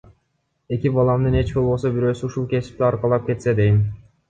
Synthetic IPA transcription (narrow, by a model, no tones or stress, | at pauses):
e̞kʲibɑlˠɑmd̪ɯne̞t͡ʃbo̞lˠbo̞so̞biɾø̞ːsyuʃulˠke̞si̥p̚t̪iɑɾqɑlˠɑp̚ke̞t̪se̞d̪e̞jm